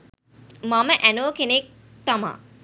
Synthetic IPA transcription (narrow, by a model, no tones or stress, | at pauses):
mɐməʔænoːkenek̚ | t̪ɐma̰ː